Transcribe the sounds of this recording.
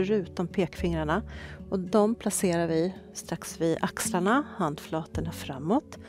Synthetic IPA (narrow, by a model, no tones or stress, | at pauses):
œɾʉ̟ːt̪ɔmpʰeːkfɪŋɾaɳaʔɔd̪ɔmpʰlaseːɾaɾvɪst̪ɾaksvɪd̪akslaɳahand̪flɑːt̪əɳafɾamːɔt̪